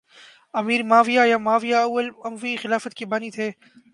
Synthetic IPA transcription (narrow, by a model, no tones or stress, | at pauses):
ɐmiːɾmaːʋijajamaːʋijaɐwːəlɐmʋixɪlaːfət̪kibaːnit̪ʰeː